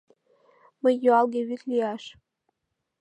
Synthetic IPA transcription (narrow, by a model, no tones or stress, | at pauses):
məjːuɑlˠɡeβyt̪lʲiɑʃ